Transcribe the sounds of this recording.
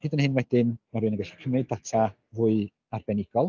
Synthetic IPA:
hɨːdənhɨnwɛdɪnmarɾɨnəŋɡɛɬi̥kʰəmɨddatʰa | vuːɨ | arbɛnɪɡ̥ɔlˠ

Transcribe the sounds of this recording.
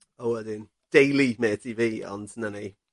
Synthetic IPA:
oʊadɪn | d̥eɪlimɛːtʰiːviːɔ̰nsənani

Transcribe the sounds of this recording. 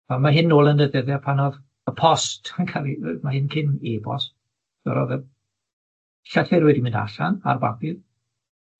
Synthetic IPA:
amaɦɪnːoːlˠənəðɛðjɛpʰanɔð | əpʰɔstʰankʰalimahɪnkʰɪnebɔ̰st | d̥ɛ̰ɾɔ̰ðɛ | ɬɛɬɛrwɛdimɪ̃nda̰ɬa̰na̰rba̰bɪð

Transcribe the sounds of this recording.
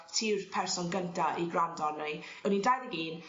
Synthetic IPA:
tʰirpʰɛrsɔnɡəntʰaʔiɡrandɔrnɛj | ɛnindajðəɡiːn

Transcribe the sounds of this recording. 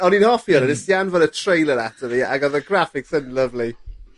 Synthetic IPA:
ɔninhɔfiɔnənɪsjanvɔdətʰr̥ejlˠəɾatʰəvia̰ɡɔðəɡrafɪksɪdnlˠəvli

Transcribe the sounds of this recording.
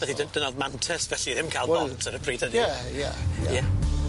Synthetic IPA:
ɛθidənd̥ənɔðmantʰɛsvɛɬiðɪmkʰaɪlˠɔntʰəɾəpʰriːdədaja̰ja

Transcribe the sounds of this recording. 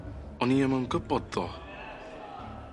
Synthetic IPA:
ɔniaməmɡəbɔd̪ɔ

